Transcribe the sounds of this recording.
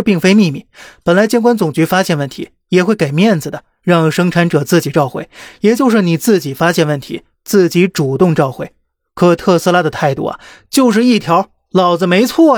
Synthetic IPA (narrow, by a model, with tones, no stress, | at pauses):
pi˥˩ŋfe˥ɪmi˥˧mi˥˩pə˨˩nla˧˥ɪt͡ɕjɛ˥nkwa˥nt͡sʊ˨˩ŋt͡ɕy˧˥fa˥ɕjɛ˥˧nwə˥˩nt̪ʰḭ˧˥ | jɛ˨˩xwe˥˩ɪke˨˩ɪmjɛ˥˩nd͡zɹ̩˩d̪ə˩ | ɻɑ˥˧ŋʂɤ˥ŋʈ͡ʂʰa˧˥nʈ͡ʂɤ˨˩t͡sɹ̩˥˩t͡ɕi˨˩ʈ͡ʂɑ˥˧ʊxwe˥˩ɪjɛ˨˩t͡ɕjo˥˧ʊʂ̬ɻ̩˥˩ni˨˩t͡sɹ̩˥˩t͡ɕi˨˩fa˥ɕjɛ˥˧nwə˥˩nt̪ʰḭ˧˥ | t͡sɹ̩˥˩t͡ɕi˧˥ʈ͡ʂu˨˩t̪ʊ˥˧ŋʈ͡ʂɑ˥˧ʊxwe˥˩ɪ | kʰɤ˧˥t̪ʰɤ˥˧s̩˥˧la˥d̪ə˨t̪ʰa˥˧ɪt̪ṵ˥˩ɐ̰˩t͡ɕjo˥˧ʊʂ̬ɻ̩˥˧i˥˩t̪ʰjɑ˧˥ʊ | lɑ˨˩ʊd͡zɹ̩˧me˧˥ɪt͡sʰwɔ˥˩